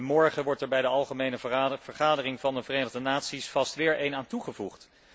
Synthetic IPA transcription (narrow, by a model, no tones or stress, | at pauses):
mɔɹχəʋɔɹtɛɹbɛjdəɑlˠχəmejnəvəɹχaːdərɪŋvɑndəvərejnəχdənaːtsisfɑstʋɪːɹʔejnaːntuχəvuχt